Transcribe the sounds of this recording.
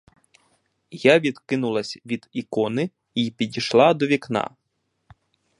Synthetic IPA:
jaʋʲid̪kɪnʊlˠɐsʲʋʲid̪ikɔnɪ | ipʲidʲiʃlˠɑd̪ɔʋʲiknɑ̰

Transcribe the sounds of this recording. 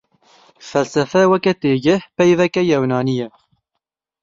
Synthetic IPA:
fɛlsɛfɛwɛkɛt̪eːɡɪhpɛjvɛkɛjɛwnɑːnijɛ

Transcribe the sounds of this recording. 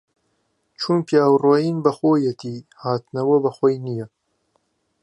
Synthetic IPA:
t͡ʃʰumpjaːwroːjiːnbɐxoːjɛt̪iːhaːt̪nɐwɐbɐxwɔjnijɛ

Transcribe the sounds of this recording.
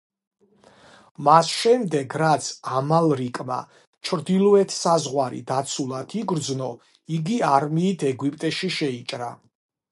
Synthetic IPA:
masʃɛmd̪ɛɡɾat̪sʰamalˠɾikʼma̰ | t͡ʃʰɾd̪ilˠɔɛt̪ʰsazʁwaɾḭd̪at̪sʰulˠat̪ʰiɡɾd̪znɔ | iɡiaɾmiːt̪ʰɛɡwipʼt̪ʼɛʃiʃɛit͡ʃʼɾa

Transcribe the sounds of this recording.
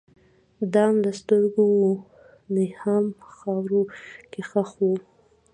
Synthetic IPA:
d̪ɑmd̪əst̪əɾɡowu | nehamxɑwɾukexəxwu

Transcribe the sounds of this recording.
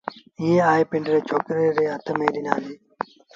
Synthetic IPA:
ĩːjẽːaːepɪɳɖɾeːt͡ʃʰoːkɾeːɾeːɦət̪ʰəmeːɾina̰ːniː

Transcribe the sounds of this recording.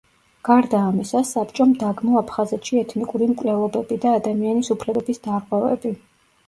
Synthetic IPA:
ɡ̥aɾd̪aːmisasapt͡ʃʼɔmd̪aɡmɔapʰχazɛt̪ʃiɛt̪ʰnikʼuɾimkʼvlɛlˠɔbɛbid̪aːd̪amianisupʰlɛbɛbisd̪aɾʁwɛvɛ̰bi

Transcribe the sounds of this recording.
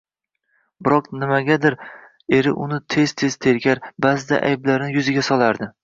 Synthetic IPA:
bɪɾɒqnɪmaɡʲad̪ɪɾ | e̞ɾɪ̰ʔʊnɪt̪ʰe̞z̥t̪ʰe̞z̥t̪ʰe̞ɾkʲaɾbazɪd̪a̰ʔa̰jblaɾnɪjʊzɪɡʲasɒlˠaɾd̪ɪ

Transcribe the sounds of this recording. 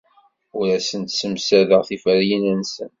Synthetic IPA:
ʊɾæsənt̪səmsæðəʁθifəɾjənænsə̰n

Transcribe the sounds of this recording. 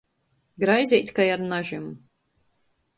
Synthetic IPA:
ɡɾajzʲɛjt̪ʲkajaɾnaʒim

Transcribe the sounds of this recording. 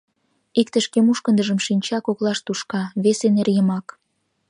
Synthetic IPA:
ikt̪ə̆ʃkemuʃkənd̪əʒə̆mʃinʲt͡ɕɑkoklɑʃt̪uʃkɑβesenerjəmɑk

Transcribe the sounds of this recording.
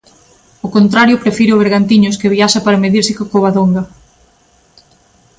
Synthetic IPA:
okont̪ɾaɾjʊpɾefiɾeoβeɾɣant̪iɲʊskeβiaʃɐpaɾɐmeðiɾsɪkokoβaðoŋɡɐ

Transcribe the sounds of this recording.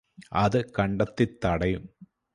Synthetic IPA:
ɐðɨkɐɳɖɐt̪ːit̪ːɐɽɐjum

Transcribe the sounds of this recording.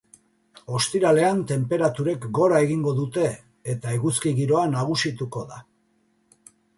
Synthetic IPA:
o̞st̪iɾale̞ant̪e̞mpe̞ɾat̪uɾe̞kɡo̞ɾae̞ɣiŋɡo̞ðut̪e̞ː | t̪aeɣuskiɣiɾo̞anaɣ̞usit̪uko̞ða̰

